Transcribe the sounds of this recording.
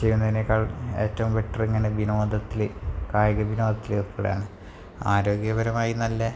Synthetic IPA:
t͡ɕejːunːɐðinekːaːɭe̞ːtːɐʋumʋe̞ʈːɐreŋːɐnebinoːd̪ɐt̪ːilkaːjɐɣɐbino̞ːd̪ʱɐt̪ːileðpʰːoːɽḛja̰ːɳɨ | aːɾo̞ːɡjɐbɐɾɐmaːjinɐlːɐ

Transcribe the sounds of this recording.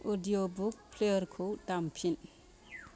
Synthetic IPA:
odijobuk̚pʰlejəɾkʰowdampʰin

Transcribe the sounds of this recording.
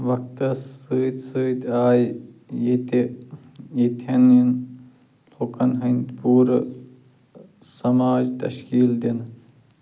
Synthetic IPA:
ʋɐk̚ʰt̪ɐsəːt̪sɨːt̪aːjit̪e | it̪ʰɐnin | loːkɐnɦɐnʲt̪puːɾ | sɐmaːd͡ʒt̪ɐ̰ʃkiːld̪in

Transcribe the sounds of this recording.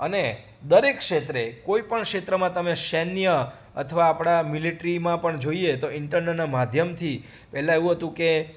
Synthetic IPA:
əne | d̪əɾekʃet̪ɾekoipəɳkʂet̪ɾəmãt̪əmeʃɛnjə | ə̰t̪ʰəʋaːpɽ̃amiliʈɾimãpəɳd͡ʒoiet̪oɪɳʈəɾnənamad̪ʱjəmt̪ʰi | pɛɦlãeʋũɦət̪ũke

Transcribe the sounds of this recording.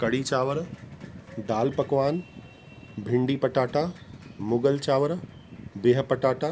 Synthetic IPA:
kɐɽiːt͡ɕaːʋəɾ | ɖ̪aːlpɐkʋaːn | bʱɪ̃ɳɖiːpɐʈaːʈamʊɡəlt͡ɕaːʋəɾbeːɦpɐʈaːʈa

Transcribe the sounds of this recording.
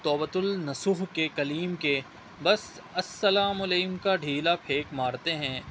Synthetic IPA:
t̪ɔːbət̪ʊlnɐsuːɦkekɐliːmke | bɐs | ɐsːɐlaːmʊleːmkaɖʱiːlapʰeːkmaːɾt̪eɦɛ̃ː

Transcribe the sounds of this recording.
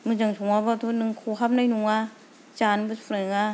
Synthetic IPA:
mɯd͡ʒaŋt͡ʃʰuŋabat̪ʰunɯŋkʰuɦap̚najnuŋa | t͡ʃanbɯpʰɾaɯŋa

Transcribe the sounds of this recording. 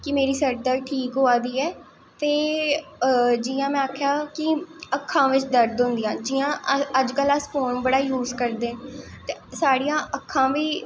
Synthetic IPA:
kɪmeːɾiːsəɾd̪əɾʈʰiːkɦoːaːd̪iːɛː | t̪eː | d͡ʒiːãːmɛ̃ːaːkʰjaːkɪəkʰːãːʋɪt͡ʃd̪əɾd̪ɦʊ̃nd̪ɪjãːd͡ʒɪːãːəd͡ʒkələspʰoːnbəɽaːjuːzkəɾd̪eːt̪esaːɽijãːʔəkʰːãːʋiː

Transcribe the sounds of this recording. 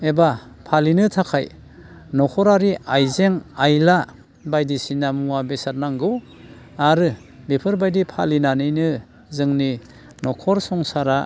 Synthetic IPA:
eba | pʰalinɯtʰakʰaj | nɔkʰɔɾaɾiajzeŋajla | bajdisinamuabesaɾnaŋɡɯw | aɾɯ | bipʰɯɾbajdipʰalinanɯjnɯ | zɯŋni | nɔkʰɔɾsɔŋsaɾa

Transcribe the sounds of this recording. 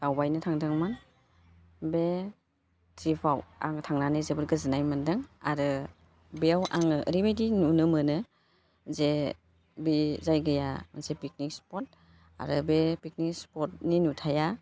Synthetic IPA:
dawbajnɯtʰaŋdɯŋman | be | tʰɾipʰawa̰ŋtʰaŋnanɯzebɯɾɡɯzɯnajmandɯŋaɾɯ | beawʔa̰ŋɯɾibajdinunɯmɯnɯ | ze | bizajɡɯjazepik̚nikspɔt̚ | a̰ɾɯbepik̚nikspɔt̚ninutʰaja

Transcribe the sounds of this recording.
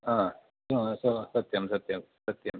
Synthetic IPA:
ãː | soɦsosɐt̪jɐmsɐt̪jɐmsɐt̪jɐm

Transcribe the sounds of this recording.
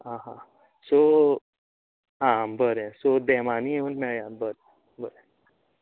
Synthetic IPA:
ɦãɦã | so | ɦãbəɾɛ̃sod̪ɛmanieunmɛɭjabəɾe | bəɾe

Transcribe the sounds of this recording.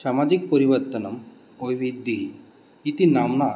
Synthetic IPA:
samad͡ʒik̚pəɾiʋəɾt̪ənɐm | ojʋid̪ːiɦi | it̪inamna

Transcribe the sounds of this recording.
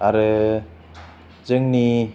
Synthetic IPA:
aɾɯ | zɯŋni

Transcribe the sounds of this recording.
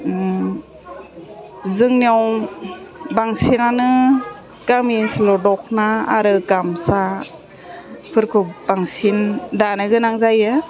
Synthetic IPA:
zɯŋnaw | baŋsinanɯ | ɡamisilɔdɔk̚naːɾɯɡamsa | pʰɯɾkʰubaŋsindanɯɡɯnaŋzajɯ

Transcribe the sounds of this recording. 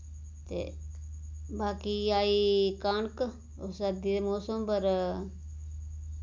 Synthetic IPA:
t̪ḛː | baːkiːaːiːkaːɳk | osad̪iːd̪emoːsəmpəɾ

